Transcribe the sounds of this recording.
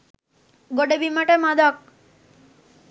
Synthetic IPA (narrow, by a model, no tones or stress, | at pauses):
ɡoɖebimaʈemad̪ək̚